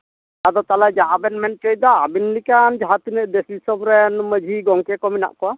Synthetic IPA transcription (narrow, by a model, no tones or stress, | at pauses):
ad̪ɔt̪alad͡ʒaʔabɛnmɛnʈej̚d̪ɔabinlikand͡ʒaɦat̪unəʔd̪ɛslisɔbɾɛnməd͡ʒʱiɡɔŋkɛkɔmina̰ʔkɔwa